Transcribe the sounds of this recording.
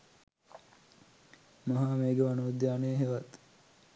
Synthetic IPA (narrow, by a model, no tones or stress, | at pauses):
mɐɦaːmeːɡeʋanud̪jaːneːɦeʋat̪